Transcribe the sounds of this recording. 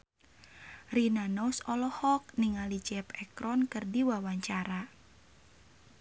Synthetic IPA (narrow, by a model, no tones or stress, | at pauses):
rinanɔsɔlɔhɔk̚niŋalit͡ʃɛpɛkɾɔnkɨrdiwawaɲt͡ʃaɾa